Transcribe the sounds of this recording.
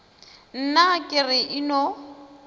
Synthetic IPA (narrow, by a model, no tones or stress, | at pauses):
n̩nakʼɪrɪʔɪnɔ